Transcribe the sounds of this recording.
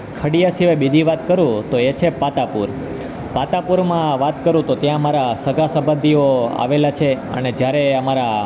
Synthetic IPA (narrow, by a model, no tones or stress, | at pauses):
kʰəɽijasiʋabid͡ʒ̪ʱiʋat̪kəɾũt̪oet͡ʃʰepat̪apuɾ | pat̪apuɾmãʋat̪kəɾũt̪ot̪jãmaɾasəɡʱasəbə̃nd̪ʱioa̰ʋelat͡ʃʰeə̰ned͡ʒjaɾeəmaɾa